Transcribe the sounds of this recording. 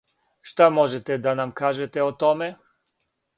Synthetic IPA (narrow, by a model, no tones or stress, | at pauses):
ʃt̪amɔʒɛt̪ɛd̪anamkaʒɛt̪ɛɔt̪ɔmɛ